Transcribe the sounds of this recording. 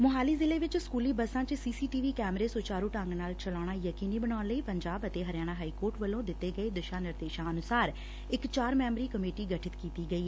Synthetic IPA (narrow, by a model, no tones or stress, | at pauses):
mʊɦaːliːzɪleːʋɪt͡ʃskuːliːbəsãːt͡ʃsiːsiːʈiːʋiːkɛːmɾeːsoːt͡ʃaːɾuːʈəŋɡnaːlt͡ʃəlaːɽ̃aːjəkiːniːbənaːnləiːpəɲd͡ʒaːbət̪eːɦəɾjaːɽ̃aːɦaːiːkoːɾʈʋəlõːd̪ɪt̪ːeːɡəeːd̪əʃãːnɪɾd̪eːʃãːənʊsaːɾ | ɪkt͡ʃaːɾmɛːmɾiːkəmeːʈiːɡəʈʰɪt̪kiːt̪iːɡəiː